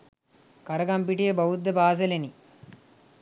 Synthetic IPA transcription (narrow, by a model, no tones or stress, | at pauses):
kɐɾɐɡɐmpiʈijebɐwud̪ːɐbaːsɐleni